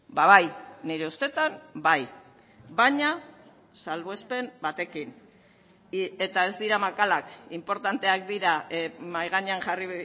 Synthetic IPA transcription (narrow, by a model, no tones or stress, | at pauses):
baβajniɾe̞ust̪e̞t̪ambaj | βaɲa | salβoespe̞mbat̪e̞kin | e̞t̪ae̞zd̪iɾamakalakimpo̞ɾt̪ant̪e̞ak̚d̪iɾamajɣaɲeaŋʝari